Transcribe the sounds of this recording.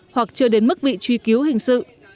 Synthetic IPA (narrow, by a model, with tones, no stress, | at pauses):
hwa˨˩k̚t͡ɕɨ˧əɗe˨˦nmɨ˦˥k̚ɓḭ˧˨t͡ɕwi˧ki˨˦əwhï˨˩ŋ̟sɨ̰˧˨